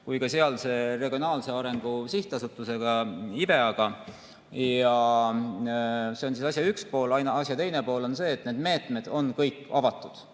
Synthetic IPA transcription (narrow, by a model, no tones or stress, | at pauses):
kujkɑseɑlse̞ːre̞ɡ̥ʲio̞nɑːlse̞ɑɾe̞ŋɡ̥usiht̪ɑsut̪ːˑuse̞ɡ̥ɑib̥e̞ɑɡ̥ɑ | jɑ | se̞o̞nsisɑsjɑykspo̞ːlɑjnɑɑsjɑt̪e̞jne̞po̞ːlo̞nse̞ːt̪ne̞ːd̪̥me̞ːt̪ˑme̞d̪̥o̞nkɤjkːˑɑvɑt̪ˑːud̪̥